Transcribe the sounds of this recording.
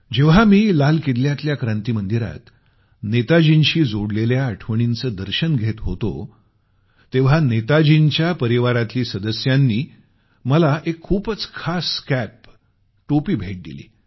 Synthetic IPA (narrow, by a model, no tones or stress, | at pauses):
d͡ʑeʋ̤amiːlalkid̪ljat̪ljakɾãnt̪iːmənd̪iɾa̰t̪ | net̪ad͡ʑinɕiːd͡zoɽleljaəʈʰʋəɳ̃int͡səːd̪əɾɕənɡʱet̪ɦot̪o̰ | t̪eʋ̤anet̪ad͡ʑint͡ɕjapəɾiʋaɾat̪liːsəd̪əsjanːiː | məlaʔekʰːuːpət͡skʰaskæp̚ | ʈopiːbʱeʈ̚d̪ḭlḭː